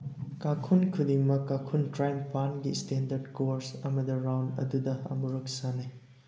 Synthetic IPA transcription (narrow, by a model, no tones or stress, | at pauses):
kakʰunkʰudimɐkːakʰuntɾajmpanɡistendɐɾdkoɾsɐmɐdɐɾawndɐ̰dudɐɐ̰muɾɐk̚sana